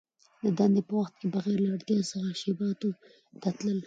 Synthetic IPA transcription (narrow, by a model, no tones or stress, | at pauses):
d̪əd̪and̪epəwaxt̪kebaɣɛɾlaaɽt̪jɑsəxaʃebɑt̪o | t̪at̪ləl